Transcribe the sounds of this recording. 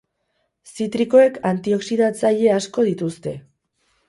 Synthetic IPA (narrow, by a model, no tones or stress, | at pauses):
sit̪ɾiko̞e̞kant̪io̞ksiðat͡saʎe̞asko̞ð̞it̪ust̪e̞